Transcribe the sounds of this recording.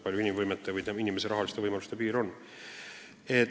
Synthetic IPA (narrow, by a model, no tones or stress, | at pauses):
pɑlʲjuinimvɤjmet̪ːˑevɯj̪einimese̞ɾɑɦɑlist̪eɤjmɑlu̥st̪e̞piːɾo̞nː | e